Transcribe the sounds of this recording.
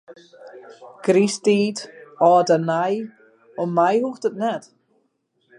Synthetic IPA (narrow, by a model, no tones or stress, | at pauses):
ɡ̥ɾisdiːdɔːdanaj | ɔmajhuχd̥ədnɛd̥